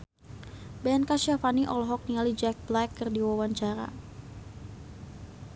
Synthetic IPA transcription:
bɛnkaʃafaniʔɔlɦɔk̚nialid͡ʒɛk̚blɛkːərdiwawaɲt͡ʃaɾa̰

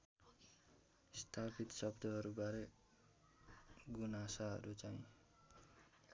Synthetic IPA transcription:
st̪ʰapʰit̪sʌbd̪ʱʌɦʌɾubaɾe | ɡunasaɦʌ̰ɾut͡saĩ

